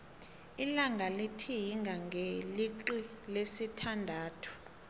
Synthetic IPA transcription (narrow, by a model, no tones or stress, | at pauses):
ilaŋɡʱalitʰijiŋɡʱaŋʱeliǀilesitʰandʱaːtʰu̥